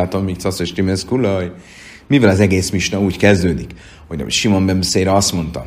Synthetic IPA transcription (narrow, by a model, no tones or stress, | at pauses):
lt̪omːikt̪sɒseʃt̪imeskulɒj | mivɛlɒzɛɡeːsmiʃnɒuːckɛzd̪øːd̪ik | ho̞̰ʃimo̞mbɛmseːɾɛɒst̪mo̞nt̪ɒ̰